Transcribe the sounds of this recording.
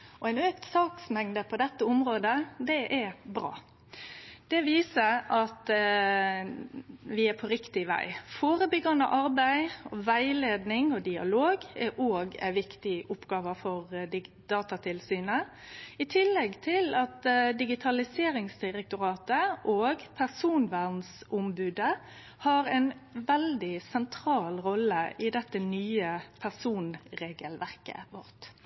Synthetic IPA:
ɔæɪnøːkt̪sɑːksmɛŋd̪əpʰɔd̪ɛt̪ːəʊmɾoːd̪əd̪ɛʔɛbɾɑ̰ː | d̪̥ɛʋiːsəɑt̪ | ʋɪæpʰɔɾɪkt̪ɪʋæ̰ɪfoːɾəbʏɡɑnə̰ʔɑɾbæɪɔʋæɪleːd̪nɪŋɔd̪ɪɑ̰loːɡɛʔoːɡæ̰ɪʋɪkt̪ɪʔʊpːɡɑːʋəfɔʁd̪ | d̪̥ɑːt̪ɑt̪ʰɪlsyːnə | ɪt̪ʰɪlːɛɡt̪ʰɪlɑt̪d̪ɪɡɪt̪ʰɑlɪseːɾɪŋsd̪ɪʁɛk̚t̪ʊɾɑːt̪əʔoːɡpʰæʁsuːnʋæʁnsʊmbʉːd̪ə | hɑɾæɪnʋɛld̪ɪsɛnt̪ʰɾɑːlɾɔlːəʔɪd̪ɛt̪ːənyːəpʰæʁsuːnɾeːɡəlʋæʁkə̰ʋɔʁt̪

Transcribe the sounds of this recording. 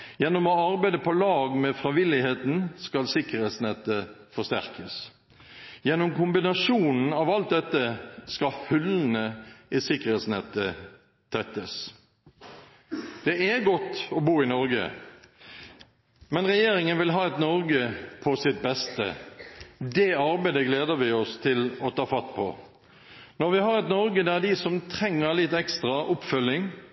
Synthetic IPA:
jɛnːɔmɔɑɾbæɪd̪əpʰɔlɑːɡmɛfɾɑʋɪlɪheːt̪n̩skɑlsɪkəɾeːt̪snɛt̪ːəfɔst̪æ̰ʁkəs | jɛnːɔmkʊmbɪnɑʂuːnn̩ɑʋɑlt̪̚d̪ɛt̪ːəskɑfʉln̩əɪsɪkəʁet̪snɛt̪ːə | t̪ʰɛt̪ːəs | d̪̥ɛæɡɔt̪ːɔbuːɪnɔɾɡə̰ | mɛnʁɛjeːɾɪŋənʋɪlɦɑːɛt̪nɔɾɡəpʰɔsɪt̪̚bɛst̪ə̰ | d̪ɛɑɾbæɪd̪əɡleːd̪əɾʋɪɔst̪ʰɪlɔt̪ʰɑːfɑt̪ːpʰɔ̰ | nɔɾʋɪɦɑɾɛt̪nɔɾɡəd̪æɾd̪ɪsɔmt̪ʰʁɛŋːəɾlɪt̪ɛkst̪ʁɑʔʊpfœlːɪŋ

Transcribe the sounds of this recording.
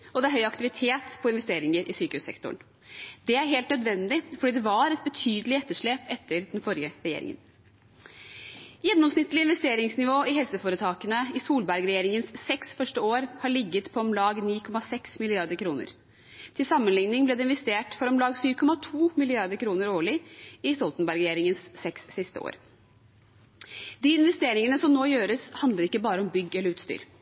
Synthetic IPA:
ɔd̪ɛæɾɦœʏɑkt̪ɪʋɪt̪ʰeːt̪pʰɔɪnʋɛst̪eːɾɪŋəɾʔɪsyːkəhʉsɛ̰kt̪ɔ̰ɳ | d̪ɛæɾɦeːlt̪nœd̪ʋɛnd̪ɪfɔɖiːd̪ɛʋɑɾɛt̪̚bət̪ʰyːd̪əlɪɛt̪ːəʂɭeːpɛt̪ʰːəɾd̪ɛnfɔɾjəɾɛjḛːɾɪ̰ŋə̰n | jɛnːɔmsnɪt̪ːəlɪnʋɛst̪eːɾɪŋsnɪʋoːɪɦɛlsəfoːɾət̪ʰɑːkənəɪsuːlbæɾɡɾɛjeːɾɪŋənsːɛksfœʂʈəoːɾhɑɭɪɡːət̪pʰɔɔmlɑːɡniːkʰɔmɑsɛksmɪlɪɑɾd̪əɾkʰɾuːnə̰ɾ | t̪ʰɪlsɑmːənlɪŋnɪŋblɛːd̪ɛɪnʋɛst̪eːʈfɔɾɔmlɑːɡsyːʋkʰɔmɑt̪ʰuːmɪlɪɑɾd̪əɾkʰɾuːnəɾoːɭɪɪsɔlt̪n̩bæɾɡɾjeːɾɪŋənsːɛksːɪst̪əo̰ːɾ | d̪iːɪnʋɛst̪eːɾɪŋənəsɔmnoːjøːɾəshɑnd̪ləɾɪkːəbɑːɾəɔmbʏɡːɛləɾʉːt̪st̪y̰ːɾ

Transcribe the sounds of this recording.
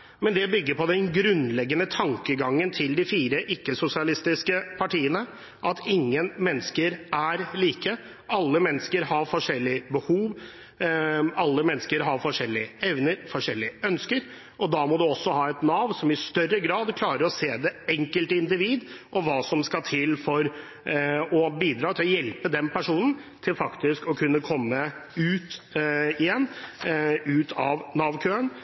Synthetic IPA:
mɛnd̪ɛbʏɡːəɾpʰɔd̪ɛnɡɾʉnlɛɡːənət̪ʰɑŋkəɡɑŋːənt̪ʰɪld̪ɪfiːɾəʔɪkːəsʊsɪɑlɪst̪ɪskəpʰɑʈiːənə | ʔɑt̪ʰɪŋːənmɛnːskəɾæɾliːkə | ʔɑlːəmɛnːəskəɾhɑɾfɔʂɛlːɪbəhuːʋ | ɑlːəmɛnːskəɾɦɑɾfɔʂɛlːɪəɛʋnəɾfɔʂɛlːɪəœnskəɾ | ʔɔd̪ɑːmɔd̪ʉɔsːɔhɑːɛt̪nɑːʋnsɔmɪst̪œrəɡɾɑːd̪kʰlɑːɾəɾɔseːd̪ɛɛŋkəlt̪əɪnd̪ɪʋiːd̪ʔɔʋɑːsɔmskɑt̪ʰɪlfɔɾ | ɔbiːd̪ɾɑːt̪ʰɪlɔjɛlpəd̪ɛnpʰæʂuːnən̩t̪ʰɪlfɑkt̪ɪskɔkʰʉnːəkʰɔmːəʉːt̪ɪjɛnː | ʉːt̪ʰɑʋnɑːʋkʰøːən

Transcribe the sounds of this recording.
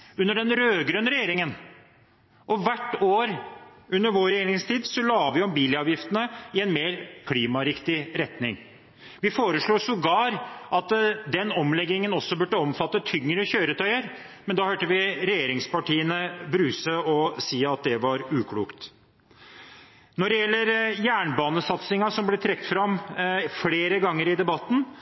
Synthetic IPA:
ʉnːəɖɛnɾøːɡɾøːnɾɛjeːɾɪŋən | ʔɔʋæʈːoːɾʉnːəɾʋoːɾɛjeːɾɪŋst̪ʰiːd̪sɔlɑːʋɪɔmbiːlɑːʋjɪft̪ənəɪɛnmeːɾkʰɽiːmɑɾɪkt̪ɪɾɛt̪nɪŋ | ʋɪfoːɾəʂɭuːsʊɡɑːɾʔɑt̪d̪ɛnːɔmlɛɡːɪŋənɔsːɔbʉʈːəɔmfɑt̪ːət̪ʰʏŋːɾəçøːɾət̪ʰœʏəɾ | mɛnd̪ɑːhøːʈəʋɪɾɛjeːɾɪŋspɑʈiːənəbɾʉːsəɔsiːɑt̪̚d̪ɛʋɑɾʉːkʰɽṵːkt̪ | nɔɖɛjɛlːəɾjæːɳbɑːnəsɑt̪sɪŋɑsɔmblɛt̪ʰɾɛkːt̪fɾɑmfleːɾəɡɑŋːəɾɪd̪ɛbɑt̪ːn̩

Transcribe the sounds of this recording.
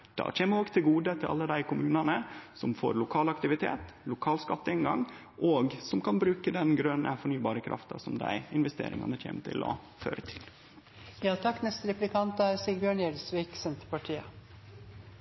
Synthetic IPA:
d̪̥ɑ̰ːc͡çʰeːməɾoːɡt̪ʰɪlɡuːd̪ət̪ʰɪlʔɑ̰lːəd̪æɪkʰʊmʉːnɑnəsɔmfo̰ːɾlʊkʰɑːlɑkt̪ɪʋɪt̪ʰḛːt̪lʊkʰɑːlskɑt̪ːəɛnɡɑŋ | ʔoɡsɔmkʰɑnbɾʉːkəd̪ɛnɡɾœnə̰fɔɳyːbɑːɾəkʰɾʔɑ̰ft̪ɑsɔmd̪æ̰ɪɪnʋɛst̪ḛːɾɪ̰ŋɑ̰nəc͡çʰḛːmət̪ʰɪ̰lɔ̰ | fø̰ːɾət̪ʰɪ̥l | jɑːt̪ʰɑkːnɛst̪əɾɛplɪkʰɑnt̪əæɾsiːbjøːɳjɛɾsʋiːksɛnt̪əɾpɑʈʰiːə

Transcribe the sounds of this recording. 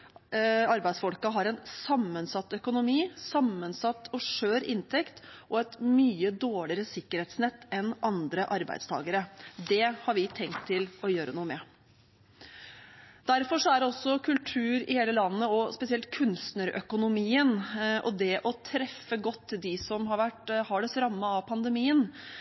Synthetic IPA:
ɑɾbæɪd̪sfɔlkɑɦɑɾɛnsɑmːənsɑt̪ːœkʊnʊmiːsɑmːənsɑt̪ːɔʂøːɾɪnt̪ʰɛkt̪ʔɔɛt̪myːəd̪oːɭɪɾəsɪkːəɾheːt̪snɛt̪ːɛnʔɑnd̪ɾəʔɑɾbæ̰ɪd̪st̪ʰɑ̰ːɡəɾəd̪ɛhɑɾʋɪt̪ʰɛŋk̚t̪ʰːɪlɔjøːɾənuːəmɛ | d̪̥æɾfɔʂɔæɖɛɔsːɔkʰʉlʈ̪ʰʉːɾɪ̰heːləlɑnːəɔspɛsɪɛlt̪kʰʉnst̪nəɾœ̰kʊnʊmiːənʔɔ̰d̪ɛʔɔt̪ʰɾɛfːəɡɔt̪ːd̪ɪsɔmɦɑɾʋæʈhɑɖɛsɾɑmːəɑpʰɑnd̪əmiːən

